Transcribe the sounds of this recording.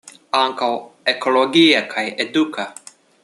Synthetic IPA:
aŋkawekʰoloɡiːɐkʰajed̪ukʰɐ

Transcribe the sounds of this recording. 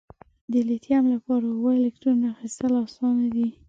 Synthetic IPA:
d̪əlet̪jamlapɑɾawoelekʈɾuɾnaaxist̪əlasɑnad̪i

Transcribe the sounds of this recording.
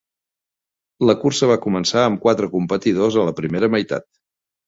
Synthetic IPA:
ləkursəβ̞akumənsaəmkwat̪ɾəkumpət̪iðozələpɾimeɾəməjt̪a̰t̪

